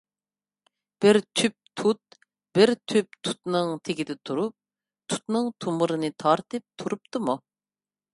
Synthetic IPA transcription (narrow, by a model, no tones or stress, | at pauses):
b̥ɪɾt̪ʰyp̚t̪ʰut̪̚ | b̥ɪɾt̪ʰyp̚t̪ʰu̥t̪nɨŋt̪ʰeɡʲid̪ɛt̪ʰuɾup̚ | t̪ʰu̥t̪nɨŋt̪ʰumuɾɨnɨt̪ʰɑɾt̪ɨp̚t̪ʰuɾupt̪ɨmu